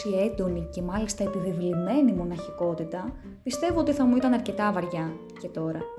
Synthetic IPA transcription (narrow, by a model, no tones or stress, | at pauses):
ie̞nd̪o̞nice̞mɐlist̪ɐepivivlime̞nimo̞nɐçiko̞t̪it̪ɐ | pist̪e̞voo̞t̪iθɐmuit̪ɐnɐɾce̞t̪ɐvɐɾʝɐ | ce̞t̪o̞ɾɐ̰